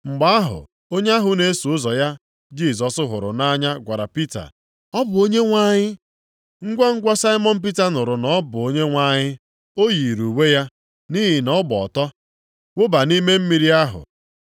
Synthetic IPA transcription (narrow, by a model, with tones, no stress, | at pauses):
ŋ͡m̩˨ɡ͡ba˦a˦ɦʊ̰˨ | o˦ɲe˦a˦ɦʊ˦ne˦su˨ʊ˦zɔ˨ja˦ | d͡ʒi˦˨zɔ˨sʊ˦ɦʊ̰˨ɾʊ̰˨na˦ɲa˦ɡʷa˨ɾa˨pi˦ta̰˨ | ɔ˦bʊ˨o˦ɲe˦ŋʷa˦ɲɪ˦ | ŋ̩˦ɡʷɔ˦ŋ̩˦ɡʷɔ˦sa˦ɪ˦mɔ˦n̩˦p̬i˦ta˦nʊ˨ɾʊ˨nɔ˦bʊ˨o˦ɲe˦ŋʷa˦ɲɪ˦ | o˦ji˨ɾu˨we˦ja˦ | ni˦ɦi˨nɔ˦bɔ̰˨tɔ˦ | wʊ˦ba˨ni˦me˦m̩˦mi˦ɾi˦a˦ɦʊ̰˨